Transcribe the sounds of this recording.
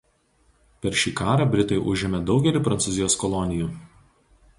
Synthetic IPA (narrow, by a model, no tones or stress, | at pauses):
pʲɛɾʲʃʲiːkɑːɾɑbʲɾʲɪt̪ɐɪʔʊʒʲɪmʲɛd̪ɒʊɡʲɛlʲɪpɾɐnt̪sʊzʲɪjoːskɔlˠɔnʲɪjuː